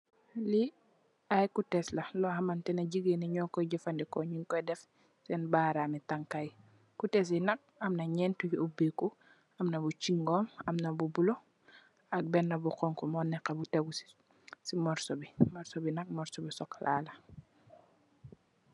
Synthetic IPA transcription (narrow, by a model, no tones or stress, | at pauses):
li | ɐjkutɛslɐlɔhɐmɐntɛnɐɟiɡenɛɲɔːkɔɟɐfɐndɛkɔɲiŋkɔjdɛf | sɛnbaːɾamitaŋkaj | kutɛs̬inɐk̚ɐmnɐɲɛntujuubiku | ɐmnɐbut͡ʃiŋɡɔːmɐmnɐbubulɔ | ɐk̚bɛnːɐbuqɔŋkɔmɔːnɛqːɐbutɛɡu̥ | simɔɾsɔbimɔɾsɔbinɐk̚mɔɾsɔbisɔklʔa̰ːlɐ